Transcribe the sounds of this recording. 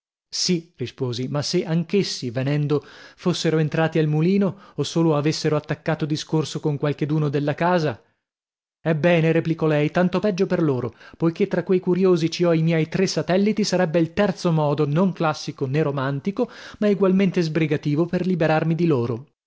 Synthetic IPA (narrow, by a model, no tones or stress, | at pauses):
sirispoːzimasːeʔaŋkesːivenɛnd̪ofosːeɾoent̪ɾaːt̪ialmuliːnoːsːoːloavesːeɾoat̪ːakːaːt̪od̪iskorsokoŋkwalk̟ed̪uːnod̪elːakaːza | ɛbːɛːneɾeplikɔlɛjt̪ant̪opɛd͡ʒːoperloːɾopojk̟et̪ːɾakːwejkuɾjoːzit͡ʃiɔimjɛjt̪ɾesːat̪ɛlːit̪isaɾɛbːeilt̪ɛrt̪somɔːd̪onoŋklasːikoneɾomant̪ikomaeɡwalment̪ezbɾiɡat̪iːvoperlibeɾarmid̪iloːɾo